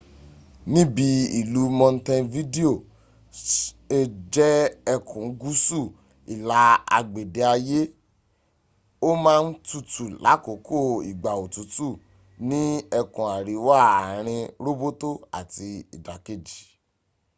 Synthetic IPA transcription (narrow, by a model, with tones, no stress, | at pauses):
nĩ˦bi˨˧˦i˨lu˨˦mɔ̃˧n̩˦tɛ̃˧nvi˦de˦o˦˨ | e˦d͡ʒɛ˦ɛ˧kʰũ˨˦ɡu˦su˦˨ | i˨la˨˦a̰˧ɡ͡be˨de˨˦a˧je˦ | o˦mãː˦n̩˦tu˧tu˨la̰˨˦ko˨˦ko˦˨i˨ɡ͡ba˨o˨tu˨˦tu˦˨ | nĩ˦ɛ˧kũ˨a˨ɾi˨˦wa˦˨a˨ɾ̃ĩ˧ɾo˦bo˦to˦a̰˨ti˧i˨da˨ke˦˨d͡ʒi˨